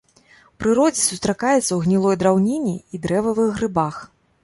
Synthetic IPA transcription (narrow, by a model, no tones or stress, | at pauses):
wpɾɨɾɔd͡zʲɛsust̪ɾakajɛt̪sɐwɣnʲilˠɔjd̪ɾawnʲenʲːiːd̪ɾɛvɐvɨɣɾɨbax